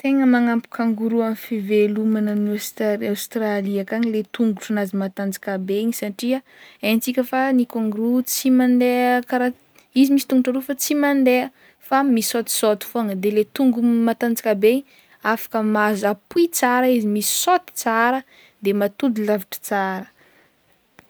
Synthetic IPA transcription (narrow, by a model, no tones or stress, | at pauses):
t̪eŋəmaŋampu̥kʰaŋɡuɾuamfivelumananastawst̪raliakaɲilet̪uŋɡuʈ͡ʂunazimat̪and͡zakabeiɲisaʈ͡ʂia | ent͡sikʲəfanikoŋɡuɾut͡simand̪eəkaɾa | izimisi̥t̪uŋɡuʈ͡ʂaɾufat͡simand̪eə | famisot̪i̥sot̪i̥foaŋəd̪elet̪uŋɡumat̪and͡zikabeɲ | afḁkəmazapuit͡saɾaizimisi̥sot̪i̥t͡saɾə | d̪emat̪ud̪ilaviʈ͡ʂə̥t͡saɾə